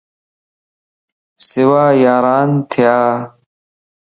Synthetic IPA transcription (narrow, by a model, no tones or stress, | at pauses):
siwaːjaːɾaːnt̪ʰijaː